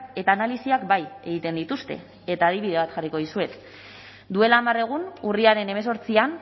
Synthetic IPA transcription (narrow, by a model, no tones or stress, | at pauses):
ke̞t̪aːnalisiakbaje̞ɣit̪e̞nd̪it̪ust̪e̞̰ | et̪aːðiβiðe̞β̞at̪xariko̞ð̞isue̞t̪ | d̪ue̞laːmare̞ɣ̞unuriaɾe̞ne̞me̞so̞ɾt͡sian